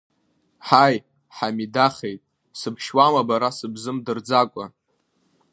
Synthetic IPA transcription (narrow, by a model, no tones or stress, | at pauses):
ħaj | ħamidaχe̞jtʼ | sɨbʰʃwamabaɾasɨbzɨmdɨrd͡zakʷʼa̰